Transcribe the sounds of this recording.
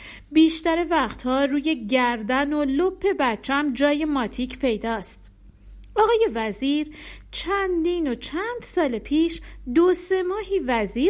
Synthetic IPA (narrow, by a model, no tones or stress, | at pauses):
biːʃt̪æɾe̞væχt̪hɒːɾuːje̞ɟæɾd̪æno̞lopʰːe̞bæt̪̚t͡ʃʰæmd͡ʒɒːje̞mɒːt̪ʰiːcʰpʰe̞jd̪ɒːst̪ | ʔɒːɣɒːje̞væziːɾt͡ʃʰænd̪iːnot͡ʃʰænd̪̥sɒːlepʰiːʃd̪ose̞mɒːɦiːvæziː